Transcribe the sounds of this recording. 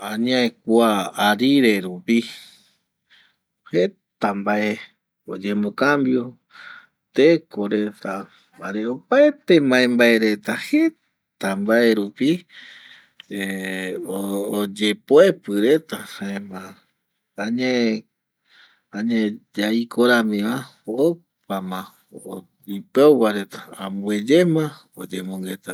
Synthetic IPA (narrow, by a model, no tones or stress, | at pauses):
ãɲãek̚ʷuaːɾiɾe̞ɾupi | he | t̪ambae | od͡ʒemokambjo̞ | t̪ekoɾe̞t̪a | aɾeopaet̪emãẽmbaeɾe̞t̪ahe̞ | t̪ambaeɾupi | eood͡ʒe̞poepɨɾe̞t̪ahãẽmã | aɲe | aɲẽd͡ʒaikʰoɾamĩβao | pamã | o | ipewaɾe̞t̪ḁãmbued͡ʒemã | od͡ʒemõŋɡet̪a